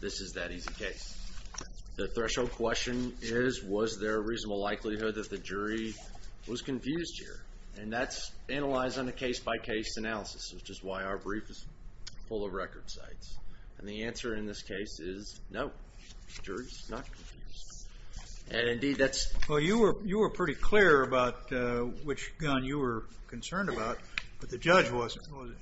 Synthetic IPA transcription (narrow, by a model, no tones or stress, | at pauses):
ðɪsɨzðɨɾizikʰeɪs | ðɨθɹɛʃoʊd̚kʰw̥ɛst͡ʃɨ̃nɪzwʌzðə˞ɨɹiznəbl̩ˠlaɪklihʊd̪̚ðɨt̪̚ðɨd͡ʒʊɹiwʌz̥kɨ̃ɱfjʉzd̥̚hḭɹ | ɨ̃nðætsæñəlaɪzdn̩ɨkʰeɪsb̥aɪkʰeɪsɨnælˠəsɨ̥sɨz̥d͡ʒ̥ʌst̚waɪaʊə˞bɹifɨz̥fʊlˠʌvɹɛkə˞d̥sa̰ɪts | ɨ̃nðiæ̃nsə˞ɨ̃nðɪskʰeɪsɪznoʊ̥ | d͡ʒʊɹiz̥nət̚kʰɱfjʉ̰zd̥ | ʔɨ̃nɨ̃ndid̪̚ðætswɛlˠjɨwə˞jɨwə˞pʰɹ̥ɪɾikʰl̥ɪɹɨbaʊt̚wɨt͡ʃɡ̥ʌ̃njɨwə˞kʰɨ̃n̩sɜ̃˞ndɨbaʊt̚b̥ʌt̪̚ðɨd͡ʒʌd͡ʒwʌz̃nwʌz